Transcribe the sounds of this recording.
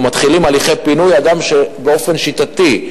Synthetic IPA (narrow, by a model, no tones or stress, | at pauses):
mat̪χilimaliχe̞jpinujad̪amʃebeo̞fe̞nʃit̪at̪i